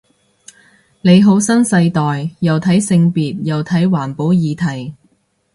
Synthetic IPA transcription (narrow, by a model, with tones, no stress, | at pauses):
ne˨˧jɦo˨˥wsɐ˥nsɐ˧jt̪ɔː˨jjɐ˨wt̪ʰɐ˨˥jsɪ˧ŋpiː˨t̚jɐ˨wt̪ʰɐ˨˥jwaː˨˩npo˨˥wjiː˨˧t̪ʰɐ˨˩j